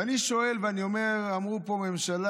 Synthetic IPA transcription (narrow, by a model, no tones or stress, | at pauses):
aniʃo̞e̞lveaniome̞ʁamʁupo̞me̞mʃala